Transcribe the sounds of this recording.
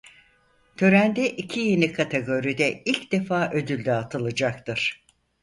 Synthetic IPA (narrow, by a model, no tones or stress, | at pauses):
t̪ʰø̞ɾænd̪ɛʔicʰije̞nikʰat̪ʰeɡo̞ɾid̪ɛilʲcd̪e̞faːʔø̞d̪ylʲd̪ɛːt̪ʰɯlˠɯd͡ʒak̚t̪ɯɾ̥